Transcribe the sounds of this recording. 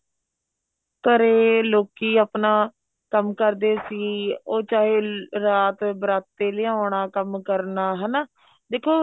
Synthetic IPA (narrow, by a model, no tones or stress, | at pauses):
təɾeːloːkiːaːpnaː | kəmkəɾd̪eːsiːoːt͡ʃaːɦeːɾaːt̪bɾaːt̪ːeːlɪãːɳaːkəmkəɾnaːɦɛːnaː | d̪eːkʰoː